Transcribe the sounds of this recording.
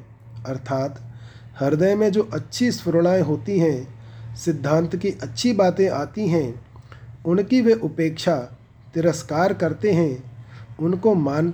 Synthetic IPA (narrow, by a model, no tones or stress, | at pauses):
ɐɾt̪ʰaːt̪ | hɐɾd̪əjmẽd͡ʒoːʔɐtːʃʰispʊɾɽ̃aːjɦoːt̪iɦɛ̃sɪd̪ʱːãːnt̪kiʔɐtːʃʰibaːt̪ẽʔaːt̪iɦɛ̃ | ʊnkiʋeʔʊpeːkʃa | t̪ɪɾəskaːɾkɐɾt̪eɦɛ̃ʊnkomaːn